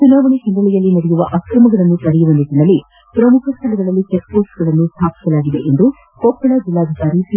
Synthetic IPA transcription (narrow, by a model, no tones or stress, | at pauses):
t͡ʃunaːʋɐɳiɦɐnd̪ɾɐɭɛjɐlːinɐɽjuʋɐʔɐkɾɐmɐɡɐɭɐnːupɐɽɛjuʋɐnit̪inɐlːi | pɾɐmukʰɐst̪ʰɐlɐɡ̪ɐɭɐlːit͡ʃekpoːsɡɐɭɐnːust̪ʰaːpi̥sɐlaːɡid̪e̞̰ʔend̪u | kɔːpʰːɐɭɐd͡ʒilːaːd̪ʱikaːɾis